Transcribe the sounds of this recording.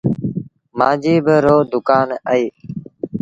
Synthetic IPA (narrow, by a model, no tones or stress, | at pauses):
mãːd͡ʒiːbəɾoːd̪ʊkaːnəiː